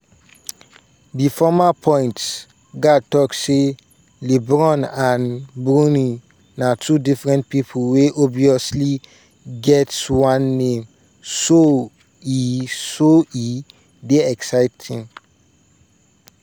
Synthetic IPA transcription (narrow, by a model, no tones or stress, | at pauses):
difɔmapʰɔ̃j̃nts | ɡad̚tɔkse | libɹɔ̃nãnbɹũni | natʰudifɹɛ̃nt̚pipʰulweʔɔbiɔsli | ɡɛtswãnːẽm | so | isoi | deɛksaɪtʰĩn